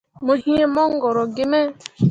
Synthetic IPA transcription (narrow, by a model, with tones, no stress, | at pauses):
mo˨ɦi˦e˦mɔ˦ŋ̩˦ɡɔ˨ɾɔ˨ɡɪ˦me˦